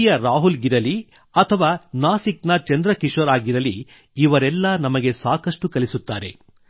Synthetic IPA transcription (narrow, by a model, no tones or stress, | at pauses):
jɐɾaːɦulɡiɾɐli | ɐt̪ʰɐʋaːnaːsiknɐt͡ʃɐnd̪ɾɐkiʂɐɾaːɡiɾɐliː | ʋɐɾɛlːɐnɐmɐɡe̞saːkɐʂʈukɐlisut̪ːaːɾe̞